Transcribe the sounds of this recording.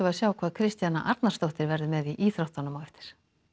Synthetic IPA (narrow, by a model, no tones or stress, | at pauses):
ʏvaðsjaːwkʰvaːðkʰɾɪst̪jana̰ʔaɾt̪nast̪owht̪ɪɾvɛɾðʏmɛðiʔiːθɾawht̪anːʏmawʏft̪ɪ̥ɾ̥